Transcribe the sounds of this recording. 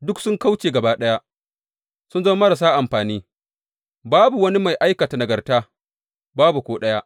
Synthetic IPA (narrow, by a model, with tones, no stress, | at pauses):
dʊ˦ksʊ˦ŋka˦wt͡ʃeː˨ɡɐ˨baː˦ɗɐ˦ja˦ | sʊ˦nzɐ˦mɐ˦ɽa˨s̬aː˦ʔa˨mɸaː˨niː˦ | baː˦bu˨wɐ˦ni˦ma˨jʔa˦jkɐ˨ta˨nɐ˨ɡɐ˨rtaː˦ | baː˦bu˨kʷoː˦ɗɐ˦ja˦ʔ